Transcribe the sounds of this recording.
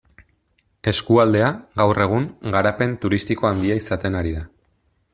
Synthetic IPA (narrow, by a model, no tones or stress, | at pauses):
e̞skuald̪e̞aɣawre̞ɣ̞uŋɡaɾape̞nt̪uɾist̪iko̞and̪iaisat̪e̞naɾiða